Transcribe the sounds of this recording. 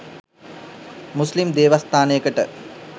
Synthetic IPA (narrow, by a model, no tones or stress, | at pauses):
muslimd̪eːʋast̪ʰaːnəjəkəʈə